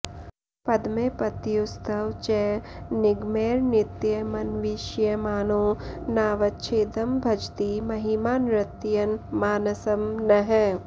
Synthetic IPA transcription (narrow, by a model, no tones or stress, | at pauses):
pɐd̪meːpɐt̪ːijʊst̪ʰɐʋt͡ʃɛnɪɡmeːɾnɪt̪jɐmɐnʋiʃjəmaːnõːnaːʋɐtːt͡ʃʰeːd̪ɐmbʱɐd͡ʒt̪imɐɦimaːnɾɪt̪ijɐnmaːnɐsɐmnɐɦɛ